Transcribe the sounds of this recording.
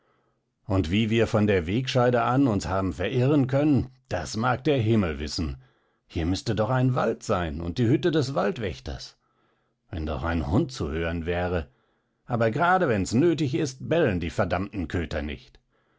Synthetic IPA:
ʔʊntv̥iːviːɐfɔndeːɐveːkʃaɪdəʔanʊnshaːbm̩fɛɐʔɪʁənkʰœnənd̥asmaːk̚d̥eːɐɦɪml̩vɪsn̩ | hiːɐmʏstədɔχaɪnvaltz̥aɪnʊ̰nt̚d̥iːhʏtədɛsv̥altv̥ɛ̰çtɐ̰s | vɛ̰ndɔ̰χa̰ɪnhʊnt̚t͡suhøːʁənvɛːʁə | ʔaːbɐɡʁaːdəvɛnɛsnøːtɪçɪst̚b̥ɛləndiːfɛɐdamtn̩kʰøːtʰɐnɪ̰çt

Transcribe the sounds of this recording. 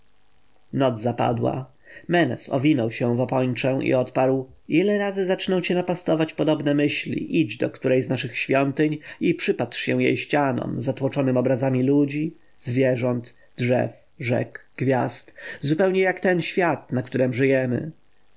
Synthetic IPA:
nɔd̪zzapa̰d̪wa̰ | mɛnɛ̰sɔ̰vʲinɔwɕɛ̃vɔpɔɲt͡ʂɛ̃ḭɔt̪paɾw | ʔilɛɾazɘzat͡ʂnɔ̃w̃t͡ɕɛnapast̪ɔvat͡ɕpɔd̪ɔbnɛmɘɕlʲḭʔid͡ʑd̪ɔkt̪uɾɛjznaʂɘxɕfʲjɔnt̪ɘɲipʂɘpat̪ʂɕɛ̃w̃jɛ̰jɕt͡ɕanɔ̰mzat̪wɔt͡ʂɔnɘmɔbɾazamʲilud͡ʑi | zvʲjɛʐɔnd̪ | ʐɛ̰f | ʐɛ̰ɡɡ̥vʲjast̪zupɛwɲɛjakt̪ɛnɕfʲjat̪nakt̪uɾɛmʐɘjɛmɘ̰

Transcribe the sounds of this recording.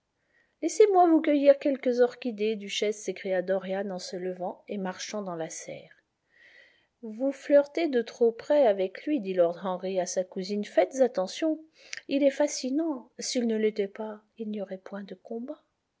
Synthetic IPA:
lɛsemwavukəjiʁkʲɛlkəzɔʁkʲid̪ed̪yʃɛsːekχijad̪ɔʁjanɑ̃sələvɑ̃emaʁʃɑ̃d̪ɑ̃lasɛ̰ːʁ | vuflœʁt̪ed̪ət̪χopχɛavɛklɥid̪ilɔʁd̪ɑ̃ʁiasakuzinfɛt̪zat̪ɑ̃sjɔ̃ | ilɛfasinɑ̃silnəlet̪ɛpa | ilnijɔʁɛpwɛ̃d̪əkɔ̃ba

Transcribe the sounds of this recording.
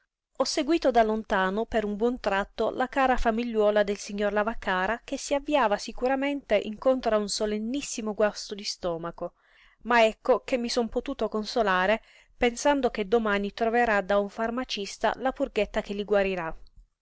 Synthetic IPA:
ɔsːeɡwiːt̪od̪alont̪aːnopeɾumbwɔnt̪ɾat̪ːolakaːɾafamiʎːɔːlad̪elsiɲːorlavakːaːɾak̟esːiavːiaːvasikuɾament̪eʔiŋkont̪ɾaunsolenːisːimoɡwast̪od̪ist̪ɔːmako | maɛkːok̟emːisɔnpot̪uːt̪okonsolaːɾe | pensand̪ok̟ed̪omaːnit̪ɾoveɾad̪auɱfarmat͡ʃist̪a̰lapurɡet̪ːakelːiɡwaɾiɾa

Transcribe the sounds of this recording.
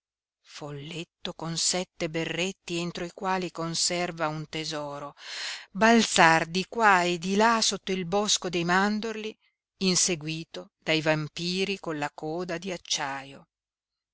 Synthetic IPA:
folːet̪ːokonsɛt̪ːeberːet̪ːient̪ɾoikwaːlikonsɛrvaunt̪ezɔːɾobalt̪sard̪ikwaed̪ilasot̪ːoilbɔskod̪ejmand̪orliː | nseɡwiːt̪od̪̥ajvampiːɾikonlakɔːd̪ad̪iat͡ʃːaːjo

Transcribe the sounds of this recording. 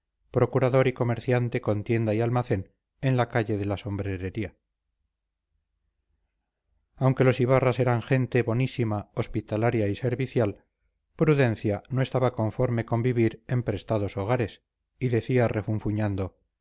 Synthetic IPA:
pɾo̞kuɾaðo̞ɾiko̞me̞ɾθjant̪e̞ko̞nt̪je̞nd̪aialmaθe̞n | e̞nlakaʎe̞ðe̞laso̞mbɾe̞ɾeɾia | awŋke̞lo̞siβarase̞ɾaŋxe̞nt̪e̞βo̞nisimaospit̪alaɾjaise̞ɾβiθjal | pɾuðẽ̞n̟θjano̞e̞st̪aβako̞ɱfo̞ɾmeko̞mbiβiɾe̞mpɾe̞st̪aðo̞so̞ɣ̞aɾe̞s | iðe̞θiarefuɱfuɲand̪o̞

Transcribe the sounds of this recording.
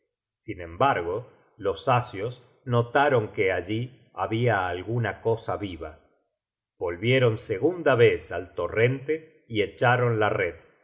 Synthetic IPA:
sinẽ̞mbaɾɣo̞ | lo̞sasjos | no̞t̪aɾo̞ŋke̞aʒi | aβiaːlɣunako̞saβiβa | β̥o̞lβjeɾo̞nseɣund̪aβesalt̪o̞re̞nt̪e | iet͡ʃaɾo̞nlareð

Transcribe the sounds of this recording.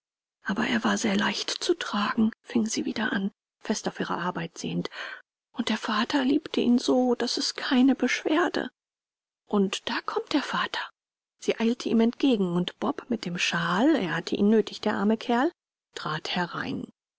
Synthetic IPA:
ʔaːbɐʔḛːɐvaːɐzeːɐlaɪçtt͡sutʁ̥aːɡŋ̩fɪŋziːviːdɐʔa̰n | fɛstaʊfʔiːʁɐ̰ʔaɐbaɪtz̥ḛːənt | ʔʊnt̚d̥eːɐfaːtʰɐliːptʰəʔḭːnzoːd̥asɛskʰaɪnəbəʃv̥eːɐdə̰ | ʔʊntd̥aːkʰɔmtd̥eːɐfaːtʰɐ̥ | z̥iːʔaɪltʰəʔiːmɛntɡ̥eːɡŋ̩ʊntb̥ɔpmɪt̚d̥eːmʃaːlḛːɐhatʰəʔḭːnːøːtʰɪçd̥eːɐʔaɐməkʰɛɐl | tʁ̥aːthɛʁa̰ɪn

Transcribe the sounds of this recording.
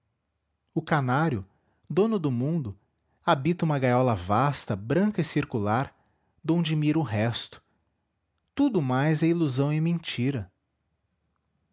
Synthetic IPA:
ʊkanaɾjʊ | d̪õnʊd̪ʊmũnd̪ʊ | abit̪ɐũmɐɡajɔlɐvast̪ɐbɾɐ̃ŋkɐɪsiɾkulaɾ | d̪õw̃d͡ʒɪmiɾʊɦɛst̪ʊ̥ | t̪ud̪ʊmajzɛiluzɐ̃w̃ɪmẽt͡ʃiɾɐ

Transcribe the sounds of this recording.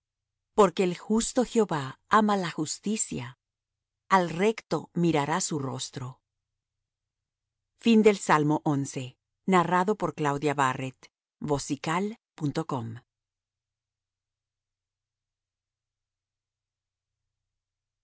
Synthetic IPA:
po̞ɾke̞ːlxust̪o̞xjo̞βaamalaxust̪isja | alre̞kt̪o̞miɾaɾasuro̞̰st̪ɾo̞ | find̪e̞lsalmo̞ʔo̞nse̞ | naraðo̞po̞ɾklawðjaβaret̪ | bo̞sikal | punt̪o̞ko̞m

